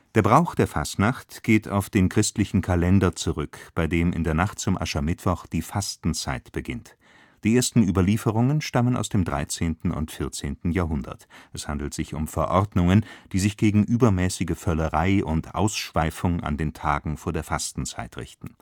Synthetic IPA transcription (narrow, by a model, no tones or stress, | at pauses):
d̥eːɐbʁaʊxd̥eːɐfa̰stnaχtɡ̥eːtʰa̰ʊfd̥eːnkʁ̥ɪstlɪçn̩kʰalɛndɐt͡suʁʏkb̥aɪdeːmɪ̰ndeːɐnaχt̚t͡sʊmʔa̰ʃɐmɪtv̥ɔχd̥iːfastn̩t͡saɪtb̥əɡɪnt | d̥iːʔeːɐstn̩yːbɐliːfəʁ̞ʊŋənʃtaməna̰ʊsd̥eːmdʁa̰ɪt͡seːntn̩ʊ̰ntfɪɐt͡seːntn̩jaːɦʊndɐ̰tʔɛshandl̩tz̥ɪçʊmfɛɐʔɔʁdnʊŋənd̥iːzɪçɡ̥eːɡŋ̩ʔyːbɐmɛːsɪɡəfœləʁaɪʔʊntʔa̰ʊsʃv̥aɪfʊŋʔa̰ndeːntʰaːɡŋ̩foːɐdeːɐfastn̩t͡sa̰ɪtʁɪ̰çtn̩